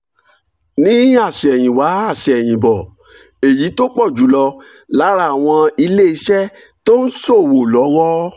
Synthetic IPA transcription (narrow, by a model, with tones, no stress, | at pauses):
nĩ˦a˦˨sɛ˨j̃ĩ˨wa˨˦a˦˨sɛ˨j̃ĩ˨bɔ˨ | e˨ji˨˦to˦k͡pɔ˦˨d͡ʒu˨˦lɔ˧ | la˨˦ɾa˧˦˨a˨w̃ɔ̃˧i˧le˦i˧˦ʃɛ˦ | to˦n̩˦so˦˨wo˨lɔ˨˦wɔ˦